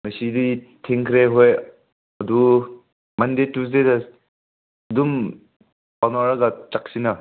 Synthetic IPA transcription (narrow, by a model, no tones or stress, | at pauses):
mɐsidi | tʰiŋkʰɾeɦoj | ɐdu | mandetus̬deda | dum | panaɾaɡat͡ʃak̚sina